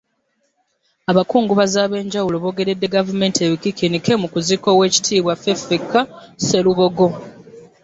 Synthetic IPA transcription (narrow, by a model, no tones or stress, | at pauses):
aβakuːŋɡuβazaːβe̞ːɲɟawulo̞βo̞ːɡe̞ɾe̞dːe̞ɡavume̞ːntie̞βikikinike̞mukuziko̞we̞ːci̥tʰiːβwafefikːase̞luβo̞ɡo̞